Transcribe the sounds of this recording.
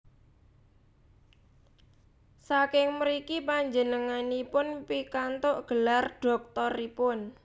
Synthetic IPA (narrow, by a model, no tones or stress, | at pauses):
sakɪŋmɾikipaɲd͡ʒənəŋanipʊnpikant̪oʔɡ̥əlarɖ̥ɔ̤k̚t̪ɔripʊn